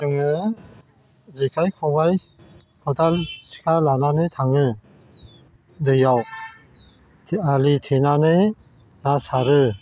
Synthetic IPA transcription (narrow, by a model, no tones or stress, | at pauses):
ɯŋɯ | zekʰajkʰɔŋaj | kʰɔtalsi̥kʰalananɯtʰaŋɯ | dɯjaw | aɾitʰenanɯ | nasaɾɯ